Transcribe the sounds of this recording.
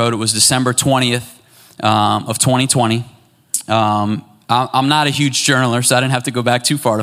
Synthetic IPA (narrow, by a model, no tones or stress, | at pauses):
oʊɾɨt̚wʌzdɨsɛ̃mbə˞tʰw̥ɛ̃ɾ̃iɨθ | ʌ̃mʌv̥tʰw̥ɛ̃ɾ̃itʰw̥ɛ̃ɾ̃i | ʔʌ̃m | ʔãɪ̃mʔã̰ɪ̃mnəɾɨhjʉdd͡ʒd͡ʒɜ˞nl̩ˠə˞soʊaɪɾɪdⁿn̩thftɨɡoʊbæk̚tʰʉfɑɹə